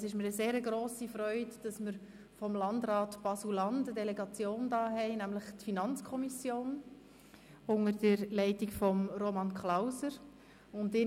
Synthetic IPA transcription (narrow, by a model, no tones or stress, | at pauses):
sɪʃməɾəseːɾəɡɾoːsifɾœʏdd̥ɑsməɾ | fɔmlɑndɾɑːtb̥ɑsulɑndədɛlɛɡɑt͡sjoːndɑːɦɛɪnæmləχtfinɑnt͡skʰɔmisjoːn | ʊŋəɾdəɾlɛɪtikfɔmɾomɑnkʰlaʊsəɾ | ʊndɪ